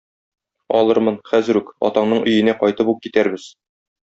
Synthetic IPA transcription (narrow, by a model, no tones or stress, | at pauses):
ɒ̰lˠɤɾmɤnχæzɘ̆ɾʉkɒ̰t̪ɑɴnɤɴɵ̆jɘ̆næqɒjt̪ɤpup̚kit̪æɾbɘz̥